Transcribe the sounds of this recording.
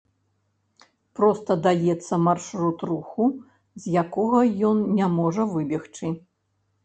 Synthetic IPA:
pɾɔst̪ɐd̪ajɛt̪sːɐmarʂɾut̪ruxu | zʲjakɔɣɐjɔnnʲamɔʐɐvɨbʲɛxt͡ʂɨ

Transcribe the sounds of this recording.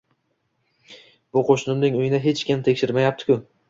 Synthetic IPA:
b̥ʊqʰoʃnɪmnɪŋʊjɪnɪɦe̞t͡ʃkʲɪmt̪ʰe̞kʲʃɪɾmajap̚t̪ɪ̥kʲʊ

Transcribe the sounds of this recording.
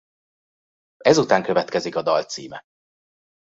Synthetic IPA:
ɛzut̪aːŋkøvɛt̪kɛzikɒd̪ɒlt̪sḭːmɛ

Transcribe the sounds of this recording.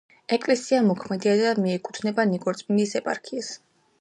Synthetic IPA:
ɛkʼlɛsiamɔkʰmɛd̪iad̪amiɛkʼut̪ʰnɛbaniɡɔɾt̪sʼminisɛpʼaɾkʰias

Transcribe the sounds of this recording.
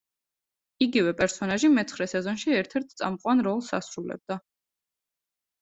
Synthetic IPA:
iɡivɛpʼɛɾsɔnaʒimɛt̪sχɾɛsɛzɔnʃiɛɾt̪ʰɛɾt̪ʰt̪sʼa̰mqʼwanɾɔlˠsa̰sɾulɛ̰b̚d̪a

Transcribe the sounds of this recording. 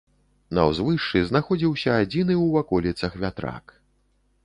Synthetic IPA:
nɐ̰wzvɨʂt͡ʂɨznaxɔd͡zʲiwsʲɐːd͡zʲinɨwvakɔlʲit̪sɐxvʲat̪ɾa̰k

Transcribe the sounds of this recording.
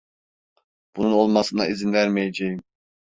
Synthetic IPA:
b̥ununolˠmɑsɯnɑ̰izinvæɾmijɛd͡ʒɛjim

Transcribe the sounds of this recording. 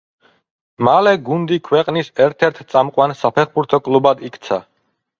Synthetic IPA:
malɛɡund̪ikʰwɛqʼnisɛɾt̪ʰɛɾt̪ʰt̪sʼamqʼwansapʰɛχbuɾt̪ʰɔkʼlˠubad̪ikʰt̪sʰa

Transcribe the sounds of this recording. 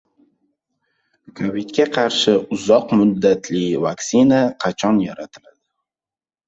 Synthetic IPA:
kʰovit̪kʲʰaqʰɑɾʃɪʊzɒqmʊd̪ːat̪ʰlivaksinaqʰɑt͡ʃʰɒnjaɾat̪ʰɪlad̪̥ɪ

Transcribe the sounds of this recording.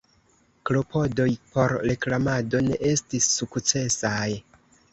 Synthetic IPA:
klo̞po̞do̞jpo̞ɾɾeklamado̞ne̞ʔe̞stisːukt͡se̞saj

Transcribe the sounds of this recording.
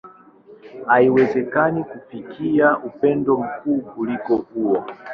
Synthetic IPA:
aiwɛzɛkanikufikiaʔupɛndɔm̩kukulikɔuːwɔ

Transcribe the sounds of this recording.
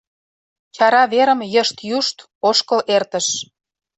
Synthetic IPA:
t͡ɕɑɾɑβeɾə̆mjəʃt̪juʃt̪ | oʃkə̆lert̪ə̆ʃ

